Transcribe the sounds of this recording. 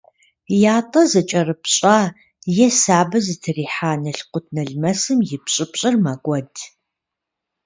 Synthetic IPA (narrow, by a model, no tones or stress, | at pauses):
jaːtʼɐzɐt͡ʃʼɐrɨpɕʼaː | jɛsaːbɐzɨtʰɨriːħaːnɐɬqʷʊtʰnɐɮmɐsɨmjɪpɕʼɪpɕʼɪrmakʷʼɔd